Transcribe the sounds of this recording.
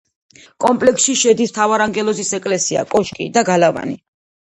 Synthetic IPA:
kʼɔmpʼlɛksʃiʃɛd̪ist̪ʰavaɾaŋɡɛlˠɔzisɛkʼlɛsia̰kʼɔʃkʼḭd̪aɡalava̰nḭ

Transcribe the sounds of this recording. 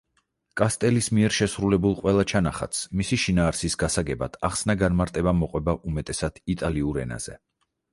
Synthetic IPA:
kʼast̪ʼɛlismiɛɾʃɛsɾulɛbulˠqʼwɛlˠat͡ʃʰanaχa̰t̪smisiʃinaːɾsisɡasaɡɛbad̪̥ʰaχsnaɡanmaɾt̪ʼɛbamɔqʼwɛbaʔumɛt̪ʼɛsad̪̥it̪ʼaliuɾɛ̰na̰z̥ɛ̰

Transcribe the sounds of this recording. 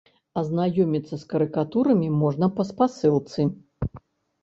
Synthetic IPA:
ɐznajɔmʲit̪sːɐskɐɾɨkat̪uɾɐmʲimɔʐnɐpɐspasɨlˠt̪sɨ

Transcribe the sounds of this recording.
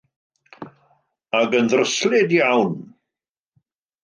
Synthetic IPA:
aɡənðrəslˠɪdjawn

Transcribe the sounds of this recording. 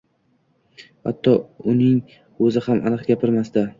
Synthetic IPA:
ha̰t̪ʰːɒʊnɪŋ | ɵzɪhamʔa̰nɨqɡʲapʰɪɾmasd̪a

